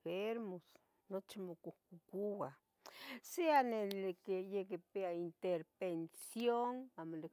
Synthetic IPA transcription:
feɾmos | not͡ʃimokuhkukuwa | seanelekejekepeaint̪eɾbensjonamole

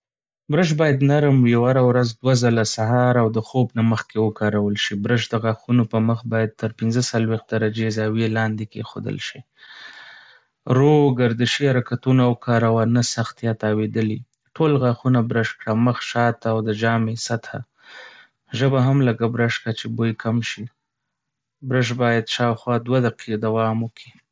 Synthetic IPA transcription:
bɾəʃ̬bɑjad̪naɾəmijawaɾawɾazd̪wazalasaɦɑɾawd̪əxobnaməxkewəkɑɾawəlʃibɾəʃd̪əɣɑxunopəməxbɑjad̪̚t̪əɾpɪnzəsalwex̚d̪aɾad͡ʒezɑwelɑnd̪ekexo̰d̪ə̰lʃi | ɾoɡaɾd̪əʃihaɾakat̪unawkʰɑɾawanasaxt̪jɑt̪ɑwed̪əli | ʈʰolɣɑxunabɾəʃkɽaməxʃɑt̪awd̪əd͡ʒɑmesat̪ʰa̰ | ʒəbaɦamlaɡabɾaʃkat͡ʃebojkʰamʃi | bɾəʃ̬bɑjad̪ʃɑwxwɑd̪wad̪aqʰid̪awɑməkʰi

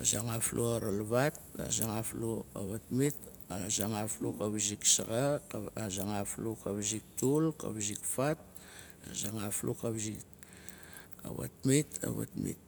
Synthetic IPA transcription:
azaŋaflʔuaɾalβata̰zaŋafluaβatmit | azaŋaflukaβziksaɡaazaŋaflukaβzik̚tulka̰βzikfat̚ | azaŋaflukaβzik̚ | a̰βa̰tmita̰βa̰tmḭt̚

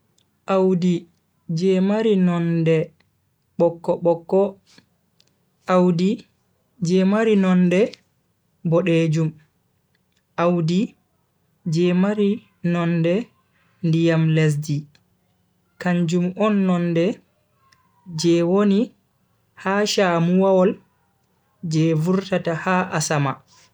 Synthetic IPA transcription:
ʔawdi | d͡ʒɛmaɾinɔndɛ | ɓɔkːɔɓɔkːɔ | ʔawdi | d͡ʒɛmaɾinɔndɛ | bɔɗed͡ʒum | ʔawdi | d͡ʒɛmaɾi | nɔndɛ | ndijamles̬di | kaɲd͡ʒumɔnːɔndɛ | d͡ʒɛwoni | haʃamuwawɔl | d͡ʒɛvuɾtatahaʔasama

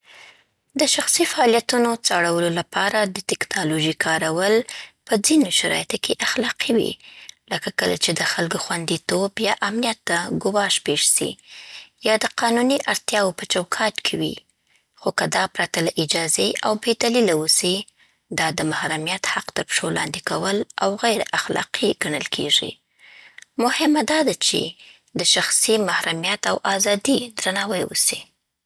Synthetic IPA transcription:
d̪əʃaxsifaɑljat̪unot͡saɽawəlolapʰɑɾad̪ət̪ɪknɑloʒikʰɑɾawəlpəd͡zinoʃaɾɑ̰jat̪okeʔaxlɑqiwḭləkakəla̰t͡ʃed̪əxalɡoxwand̪it̪objɑʔamnijat̪ːaɡʊwɑʃpeʒsḭjɑd̪əqɑnuniʔaɾt̪jɑwopət͡ʃawkʰɑt̪kʰewḭ | xokad̪ɑpɾat̪alaʔɪd͡ʒɑzeʔa̰wbed̪alilawusi | d̪ɑd̪əmahɾamijat̪haqt̪əɾpʃolɑ̰nd̪ikawəlawɣajɾaxlɑ̰qʰiɡ̥aɳəlkʰḛʐḭ | mʊhɪmad̪ɑd̪at͡ʃḛ | d̪əʃaxsimahɾamijat̪awʔɑzɑd̪id̪ɾanɑwəjwṵsi

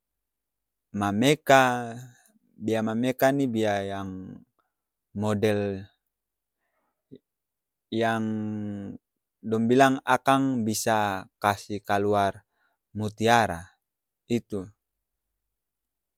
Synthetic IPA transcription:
mameka | biamamɛkanibiajaŋ | mɔdɛl | jaŋ | dɔmbilaŋakaŋbisakasihkaluar | mut̪iaɾa̰ | it̪u

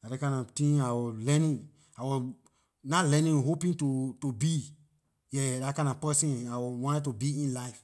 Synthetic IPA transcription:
adakãɪ̃nɔtĩŋawɔlɛnĩn | awɔ | nalɛ̃nĩnɦopĩŋtutubi | jɛdakãɪ̃nɔpɛsĩnawɔwɔ̃ntɛt̬ːubiĩnlaɪf

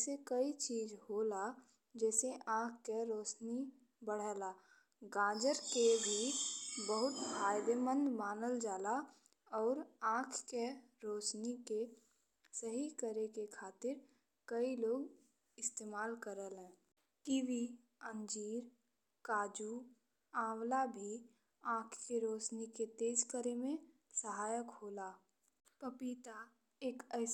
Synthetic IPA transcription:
sekəit͡ʃiːzɦoːla | d͡ʒɛːseʔãːkʰkeɾoːsni | bəɽ̤ɛːlaː | ɡãːd͡ʒəɾkebʱibəɦʊt̪fʰaːjd̪emə̃nd̪maːnəld͡ʒaːla | ɔːɾãːkʰke | ɾoːsnike | səɦikəɾekekʰaːt̪ɪɾ | kəiloːɡ | ɪst̪eːmaːlkəɾəlɦɛ̃ː | ʈiːʋi | ə̃nd͡ʒiːɾ | kaːd͡ʒu | ãːwlabʱi | ãːkʰkeɾoːsniket̪eːd͡ʒkəɾemẽ | səɦaːjəkɦoːlaː | pəpit̪a | eːkəɪ

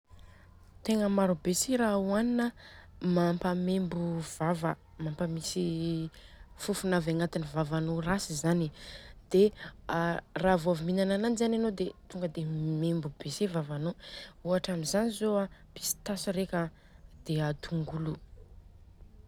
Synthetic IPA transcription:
t̪eŋəmaɾubeseɾauaninəmampəmembuv̥avə̰ | mampəmisi | fufunavaŋat̪inivavanorasizanid̪̥e | ravoaviminanananizananod̪et̪uŋɡəd̪emembubesevavanouaʈ͡ʂamizanizoapi̥si̥t̪asiɾekʲə | d̪̥eat̪ʰuŋɡulu

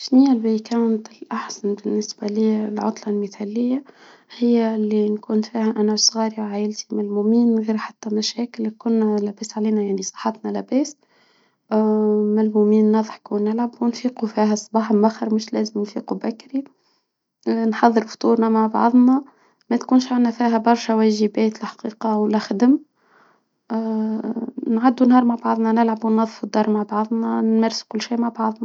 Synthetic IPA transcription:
ʃnijːælbækæwnt̪ɪlʔaħsanbɪnːɪsbæliːlʕʊ̰t̪ˤlɑlməθæːlɪjːa | hɪjːælːinkuːnfiːhæʔænæsˤɣɑːɾiwʕajɪlt̪imælmumiːnɣiːɾħat̪ːæmæʃæːkɪlkʊnːlæbæːsʕliːnæjaʕnisˤɑ̥ħɑt̪nɑlæbæːs | mælmumiːnːɑðˤħkuwnːɪlʕabwnfiːqufiːɦæsˤːɑbɑːħmmʔæxɑɾmɪʃlæːzəmnfḭːqubækːɾi | nħɑðˤːɨɾft̪ˤuːɾnɑmaʕbɑ̰ʕðˤnɑ | mæt̪kuːnʃʕanːæfiːɦæbɑɾˤʃæwæːʒəbɛːt̪lħɑ̥qiːqɑwlːæxd̪əm | nʕad̪ːunhɑːɾˤmaʕbɑʕðˤnɑnɪlʕabwnːɑðˤfud̪ːɑɾˤmaʕbɑʕðˤnɑnmæɾsu̥kʊlːʃiːmaʕbɑʕðˤnɑ

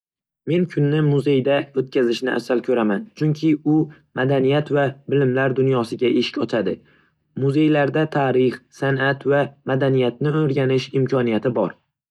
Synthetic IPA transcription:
me̞nkʰʊnːɪmʊze̞jd̪aot̪̚kʲʰazɪʃnɪʔa̰sːalkʲʰɵɾamant͡ʃʰʊŋkʲʰɪʊ | mad̪anijat̪vabɪlɪmlaɾd̪ʊnjɒsɪɡʲaʔeʃɪ̥kʲɒt͡ʃʰad̪ɪ | mʊze̞jlaɾd̪at̪ʰaɾɪχsanat̪vamad̪anijat̪̚nɪoɾɡʲanɪʃɪmkʲʰɒnijat̪ʰɪbɒɾ

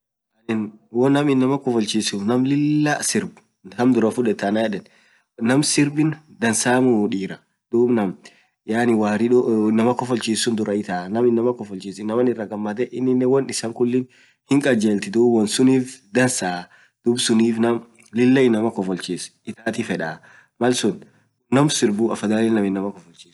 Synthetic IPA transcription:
ɐnɪnwɔnɐmɪnːɐmɐkɔfɔlt͡ʃisʊnɐmlɪlːasɪɾb | hɐmd̪ʊɾɐfʊᶑɛt̪ːɐnajɛᶑɛn | nɐmsɪɾbɪnd̪ɐnsaːmʊᶑiːɾɐ | d̪̥uːbnɐm | jaːnɪwaːɾɪᶑɔɪnːɐmɐkɔfɔlt͡ʃiːsːʊnd̪ʊɾɐɪt̪aːnɐmɪnːɐmɐkɔfɔlt͡ʃiːsɪnːɐmɐnɪrːɐɡɐmːɐt̪ɛʔɪnːɪnːɛwɔnɪsɐŋkʊlːɪn | hɪŋkʼɐd͡ʒeːlt̪ɪd̪uːbwɔnsʊniːfd̪ɐnsaː | d̪̥ʊbsʊniːfnɐm | lɪlːɛɪnːɐmɐkɔfɔlt͡ʃiːsɪt̪aːt̪ifɛᶑa | mɐlsʊn | nɐmsɪɾbuɐfɐd̪aːnɛnɐmɪnːɐmɐkɔfɔlt͡ʃi̥ːs

